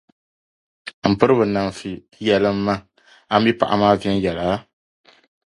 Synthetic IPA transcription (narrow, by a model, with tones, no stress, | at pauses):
m̩˨pɨ˦ɾɨ˦bɨ˨na˨m˨fi˨˦jɛ˨lɨ˦m̩ː˦a˦ | a˦m˦bi˦pa̰˨ʔa̰˨maː˦vɛ˦n˦jɛ˨laː˨˦